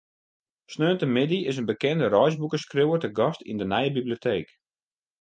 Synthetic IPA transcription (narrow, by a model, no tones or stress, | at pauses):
snøːntəmɪdiɪs̬ənbəkɛndəɾɔjzbukəskrɪwətəɡɔstḭndənɛjəbibliotʰeːk